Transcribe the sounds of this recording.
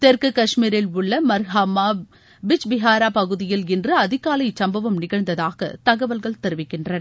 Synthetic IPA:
t̪ɛɾkɯkɐʂmiːɾɪlʊɭːɐmɐɾɦaːmaː | bɪt͡ʃbɪɦaːɾaːpɐɣɯðɪjɪlɪndrɯɐðɪɣaːlɐɪsɐmbɐʋɐmnɪɣɐɻd̪ɐðaːɣɐ̰t̪ɐɣɐʋɐlɣɐɭt̪ɛɾɯʋɪkːɪndrɐnɐ

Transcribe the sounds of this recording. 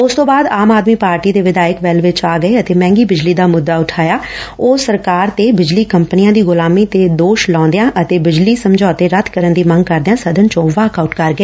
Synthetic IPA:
ʊst̪õːbaːd̪aːmaːd̪miːpaːɾʈiːd̪eːʋɪd̪aːɪkʋɛlʋɪt͡ʃaːɡəeːət̪eːmɛ̃ːŋɡiːbɪd͡ʒliːd̪aːmʊd̪ːaːʊʈʰaːjaːoːsəɾkaːɾt̪eːbɪd͡ʒliːkəmpənɪjãːd̪iːɡʊlaːmiːt̪eːd̪oːʃlɔ̃ːnd̪ejãːʔət̪eːbɪd͡ʒliːsəmd͡ʒɔːt̪eːɾət̪ʰkəɾənd̪iːmə̃ŋɡ̚kəɾd̪eãːsəd̪ənt͡ʃõːʋaːkaʊʈkəɾɡəeː

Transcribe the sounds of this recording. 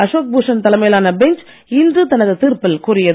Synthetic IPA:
ɐʂoːk̚buːʂɐnt̪ɐlɐmɐjɐlaːnɐbɛɲt͡ʃ | ɪndrɯt̪ɐnɐðɯt̪iːrpɪlkʊrɪjɐðɯ

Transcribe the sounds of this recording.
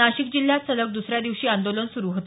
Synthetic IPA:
aɕik̚d͡ʑil̤ːjat͡sələk̚d̪usɾjad̪iʋɕiːand̪olənsuɾuːɦot̪

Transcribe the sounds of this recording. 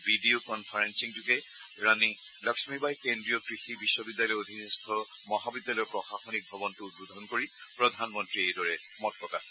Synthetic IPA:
bidiokɔnpʰaɹensiŋd͡ʒʊkɛ | ɹani | lɔksmibajkendɹijɔkɹixibisːɔbidːjalɔjod̪ʱinestʰɔ | mɔɦabidjalɔjɔkɹɔxaxonik̚bʱɔbɔntʊludʱɔnkoɹi | pɹɔdʱanmɔntɹiejdɔɹɛ | mɔtʰɹɔka

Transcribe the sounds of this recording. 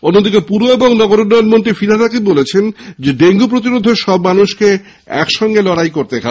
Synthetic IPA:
onːod̪ikepuɾoeboŋnɔɡoɾunːɔjonmoɳʈifiɾaɾakibolet͡ɕʰend͡ʑeɖeŋɡup̬ɾot̪iɾod̪ʱːeʃɔbmanuʃke | ɛ̰kʃɔŋɡelɔɽajkoɾt̪ekʰa

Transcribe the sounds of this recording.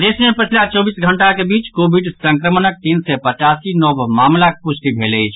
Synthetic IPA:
d̪esmepət͡ʃʰlat͡ʃɔbisɡʱəɳʈakebit͡ʃkobʱiɖsə̃ŋkɾəmənək̚t̪insɛpət͡ʃasinɔbmamlak̚pusʰt̪ibʱelət͡ʃʰ

